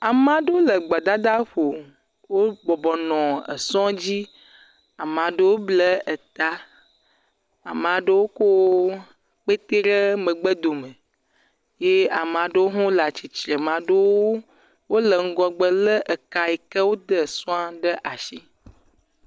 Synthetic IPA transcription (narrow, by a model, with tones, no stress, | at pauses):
a˨m˦ã˨ɖə˦wo˦lə˨ɡ͡ba˨d̪a˦d̪a˦ɸo˨ | wo˦bɔ˨bɔ˨nɔ̃˨ə̰˨sɔ̃˦d͡ʑi˦ | a˨m˨ã˨ɖə˦wo˦blə˦ə˨t̪a˦ | a̰˨m˨ã˨ɖə˦wo˦ko˦ | k͡pe˦t̪e˦ɾə˦mə̃˨ɡ͡bə˦d̪o˨mə˨ | je˦a˨m˨ã˨ɖə˦wo˦ɦɔ̃˦la˨t͡ɕi˨t͡ʃɾə˨mã˨ɖə˦wo˦ | wo˦lə˨ŋ̩˦ɡɔ˨ɡ͡bə˦˨lə˦ʔə˨ka˨e˨kə˦wo˦d̪ə˦˨sɔ̃˦a˦ɖə˦ʔa˨ʃi˦